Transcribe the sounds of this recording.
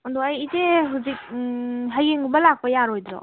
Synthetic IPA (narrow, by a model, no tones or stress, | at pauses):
ɔndɔajiteɦuzik̚ɦajɡeŋɡumbɐlak̚pɐjaɾojdɾɔ̰